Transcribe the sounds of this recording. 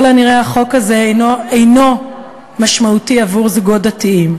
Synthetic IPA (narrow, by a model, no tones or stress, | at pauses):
laniʁeaχo̞kazenoejno̞ | maʃmautiavuʁzɡodatiim